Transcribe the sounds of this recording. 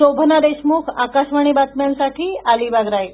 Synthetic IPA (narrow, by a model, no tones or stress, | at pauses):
obʱənad̪eʃmukʰa̰kaʃʋaɽ̃ibat̪mnsaʈʰialibaɡɾai